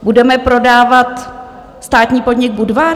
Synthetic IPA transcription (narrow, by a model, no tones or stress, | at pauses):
budɛmɛpɾo̞daːvat̪ | st̪aːt̪ɲiːpo̞dɲɪɡ̚budvaːɾ